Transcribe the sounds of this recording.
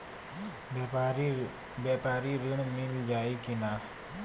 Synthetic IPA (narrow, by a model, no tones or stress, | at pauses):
bjapaːɾiɾɪɳ̃mɪld͡ʒaːikɪnaː